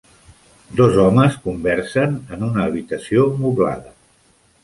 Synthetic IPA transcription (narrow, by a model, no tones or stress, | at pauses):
d̪ɔzɔməskumbɛɾsənənunəːβ̞it̪əsiomuβla̰ðə